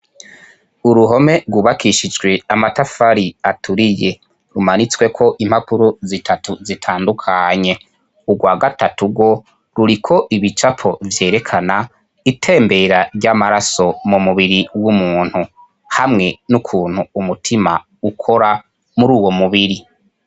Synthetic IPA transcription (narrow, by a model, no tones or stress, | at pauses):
uɾuɦo̞me̞ɾɡwuβakʰiʃid͡ʒɡwe̞amatafaɾiatʰuɾije̞ | ɾumanit͡swe̞kʰo̞ʔimhapuɾozitʰatuzitʰaːndukʰaɲe̞ | uɡwaːɡatatuɡwo̞ | ɾuɾikʰo̞ʔiβit͡ʃapʰo̞vje̞ːɾe̞kʰana | itʰe̞ːmbe̞ɾaɾɟamaɾaso̞mumuβiɾiwumuːn̥hu | hamŋe̞nukʰuːn̥huːmutʰima̰ | ukʰo̞ɾa | muɾuːwo̞muβiɾi